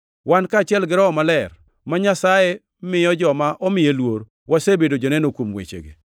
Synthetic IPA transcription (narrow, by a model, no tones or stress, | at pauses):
wankaːt͡ʃɪɛlɡɪɾɔɔmalɛr | maɲasaje | mɪjɔd͡ʒɔmaʔɔmɪjelwoɾ | wʔasebedod͡ʒonɛnokwomwḛt͡ʃḛɡḛ